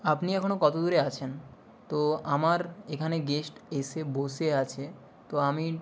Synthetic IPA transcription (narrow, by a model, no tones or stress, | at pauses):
apniɛkʰonokɔt̪od̪uɾeat͡ɕʰen | t̪oamaɾekʰaneɡesʈeseboseat͡ɕʰe | t̪oami